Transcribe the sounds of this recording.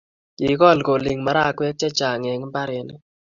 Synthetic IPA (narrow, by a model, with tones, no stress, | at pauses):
ɪ˨kɔ˦˨lko˨li˨ŋma˨ɾa˦˨kwɛ˦k̚t͡ʃɛ˦t͡ʃa˨ŋɛ˨ŋ˦ba˦ɾɛ˨˦n˦